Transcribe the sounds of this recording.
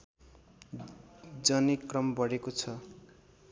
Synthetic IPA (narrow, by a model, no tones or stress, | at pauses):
d͡zʌnikrʌmbʌɽekot͡sʰʌ